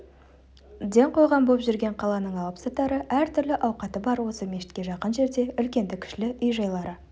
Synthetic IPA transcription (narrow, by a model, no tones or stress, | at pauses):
d̪e̞ɴqʰo̞jʁɑmbopʒʏɾɡʲe̞ɴqʰɑlˠɑnəɴɑlˠəpsɑt̪ɑɾəʔæɾt̪ʰʏɾlɪʔɑwqɑt̪əbɑɾwo̞səmeʃɪ̥t̪kʲe̞ʒɑqənʒe̞ɾd̪e̞ʏlkʲe̞nd̪ɪkʲʰɪ̥ʃlɪʔʏjʒɑjlˠɑɾə